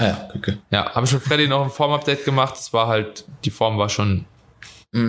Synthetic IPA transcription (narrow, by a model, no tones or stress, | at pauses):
ʔaja̰ːɡ̥ykʰəja̰ːhaːbəʃoːnfʁɛɐdɪnɔχnfɔɐmap̚d̥ɛɪːt̚ɡ̥əmaχt̚d̥asv̥aːɐɦalt̚d̥iːfɔɐmvaːɐʃoːn̩